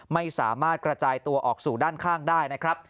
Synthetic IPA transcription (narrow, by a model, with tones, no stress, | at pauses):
ma˥˩jsa̰ː˩˦maː˥˩t̪̚kɾa˧t͡ɕaː˧jt̪u˧ɐʔɔː˨˩k̚suː˨˩daː˥˩nkʰaː˥˩ŋdaː˥˩jna˦˥kʰɾa˦˥p̚